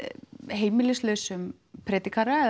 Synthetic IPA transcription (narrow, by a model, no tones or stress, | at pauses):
ɦeːjmɪlɪslœːsʏm | pʰɾɛːt̪ikʰaɾaɛ